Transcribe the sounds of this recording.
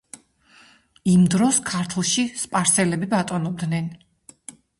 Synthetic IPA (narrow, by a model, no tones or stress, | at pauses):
imd̪ɾɔskʰaɾt̪ʰlˠʃispʼaɾsɛlɛbibat̪ʼɔnɔb̚d̪nɛn